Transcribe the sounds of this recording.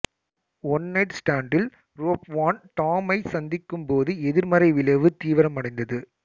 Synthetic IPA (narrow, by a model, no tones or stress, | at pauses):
ɔnːɐɪʈsʈaːɳɖɪl | ɾoːpʋaːnt̪aːmɐɪsɐnd̪ɪkːɯmpoːðɯɛðɪɾmɐɾɐɪʋɪlɐʋɯt̪iːʋɐɾɐmɐɽɐɪnd̪ɐðɯ